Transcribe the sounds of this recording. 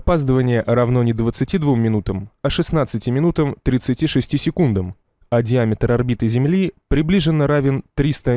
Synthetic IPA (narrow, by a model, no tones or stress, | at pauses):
ɐpazd̪əvənʲɪjəʔɾɐvno̞nʲɪd̪vət̪sɨtʲid̪vumːʲɪnut̪əmɐʂɨsnat̪sɨtʲɪmʲɪnut̪əmt̪ɾʲɪt̪sɨtʲiʂɨsʲtʲisʲɪkund̪əm | ɐdʲɪamʲɪt̪rɐrbʲit̪ɨzʲɪmlʲipɾʲɪblʲiʐɨnːəɾavʲɪnt̪ɾʲist̪ə